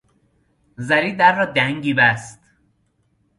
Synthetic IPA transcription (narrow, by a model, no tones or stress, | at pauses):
zæɾiːd̪æɾːɒːd̪æŋɡiːbæst̪